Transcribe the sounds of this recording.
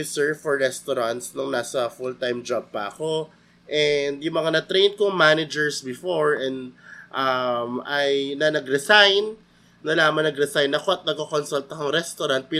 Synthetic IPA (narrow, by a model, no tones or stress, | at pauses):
ɪsɛɹvfɔɹːɛst̪oɾant̪snʊŋnaːsɐfʊlt̪ajmd͡ʒab̚pɐ̰ɐko̞ | ʔɛnd̪jʊŋmɐŋanɐt̪ɾejn̚koŋmanɪd͡ʒɛɹsbɪfoɹɛnd̪ʔɐmɐjnɐnɐɡɾɛsajnː | ɐlaːmɐŋnɐɡɾɛsajnɐko̞ɐt̪̚nɐɡ̚kokonsult̪ɐkɐŋɾɛst̪oɾant̪̚pi